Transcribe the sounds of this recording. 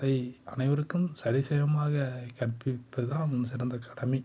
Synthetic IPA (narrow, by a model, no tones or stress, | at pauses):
ɾɐɪɐ̰nɐɪʋɐɾɯkːɯmsɐɾɪsɐjɐmaːɣɐkɐɾpːɪpːɐðɯðãːnʊns̬ɪɽɐnd̪ɐkɐɽɐmɐɪ